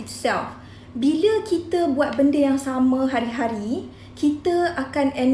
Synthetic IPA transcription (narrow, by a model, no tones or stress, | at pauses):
it̪sɛ̰lf | biləkit̪əbuat̪̚bəndəjaŋsamə̃ɦaɾiɦaɾi | kit̪əakanɛn